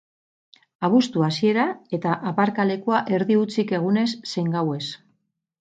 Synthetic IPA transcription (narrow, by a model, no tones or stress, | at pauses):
aβ̞ust̪uasie̞ɾae̞t̪aʔapaɾkale̞kuaʔe̞ɾðiut͡sike̞ɣ̞une̞sːe̞jŋɡawe̞s